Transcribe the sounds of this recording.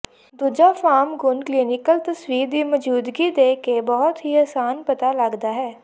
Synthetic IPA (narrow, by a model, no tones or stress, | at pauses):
d̪ʊd͡ʒafʰaːmɡʊnkliːnɪkəlt̪ɐswiːɾd̪iməd͡ʒuːd̪ɡid̪eːkebɔɦʊt̪ɦiɐːsaːnpɐt̪aləɡd̪aɦɛː